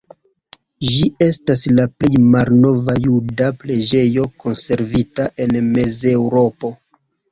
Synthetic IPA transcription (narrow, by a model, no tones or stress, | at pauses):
ʒie̞staslaple̞jmalno̞vajudaple̞d͡ʒe̞jo̞ko̞nse̞ɾvitaʔe̞nme̞ze̞wɾo̞po̞